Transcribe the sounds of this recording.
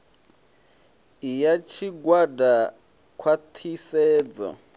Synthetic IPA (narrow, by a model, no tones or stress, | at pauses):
ijat͡ʃʰiɡwada | kʰwat̪ʰisɛːd͡zɔ̰